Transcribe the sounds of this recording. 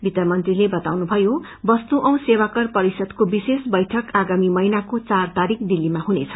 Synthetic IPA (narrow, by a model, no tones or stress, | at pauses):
bʱit̪ʌmʌnt̪rilebʌt̪awnubʱʌjo | bʌst̪uʔʌ̃w̃sewakʌrpʌɾisʌd̪kobisesbʌjʈʰʌkaɡamimʌinakot͡sart̪aɾikd̪ilːimaɦunet͡sʰʌ̥